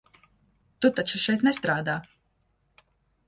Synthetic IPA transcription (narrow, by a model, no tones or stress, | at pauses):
t̪ut̪at͡ʃuʃɛjt̪nɛst̪ɾaːd̪aː